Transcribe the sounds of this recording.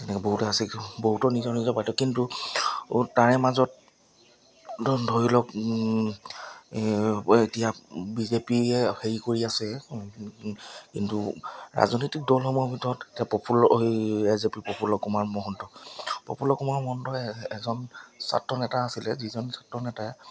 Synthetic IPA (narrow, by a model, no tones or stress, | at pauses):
tɛnɛkɛboɦutɛasiboɦutɔnizɔnizɔpajtɔkːintu | taɹɛmazɔt̚ | dʱoɹilɔk | etijabizepiɛheɹikoɹiasɛ | kḭntuɹa̰zɔnotik̚dɔlxɔmuɔbʱitɔɔtetijapɔpʰuliɛzepipɔpʰulɔkumaɹmɔɦɔntɔpɔ̰pʰulɔkumaɹmɔɦɔntɔɛzɔnsa̰tɹɔnɛtaːsilɛzizɔnsatɹɔnɛtaɛ